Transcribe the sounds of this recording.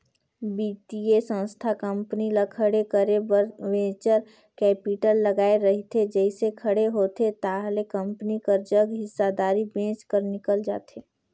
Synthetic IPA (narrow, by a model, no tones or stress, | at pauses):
biːʈiesə̃nst̪ʰakə̃mpnilakʰəɽekəɾebəɾʋẽːt͡ʃəɾ | kɛːpɪʈəlːəɡaːeɾəɦit̪ʰed͡ʒɛɪsekʰəɽeɦoːt̪et̪aɦlekə̃mpnikəɾd͡ʒəɡɦɪsːad̪aːɾibẽːt͡ʃkəɾnɪkəld͡ʒa̰ːt̪eː